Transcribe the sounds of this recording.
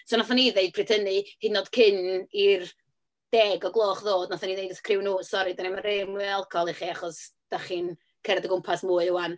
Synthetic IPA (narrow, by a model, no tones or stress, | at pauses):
sonaθaniðejd̚pʰrɨtʰənɨhɨdnoːd̥kʰɪnir | d̥ɛːɡɔɡlˠoːχðoːdnaθaniðejdəkʰrɪwnuːsɔɾɨdanɛmaɾemalˠkʰɔlˠiχiaχɔsd̥aχin | kʰɛɾdəɡʊmpʰasmuːɨʊwan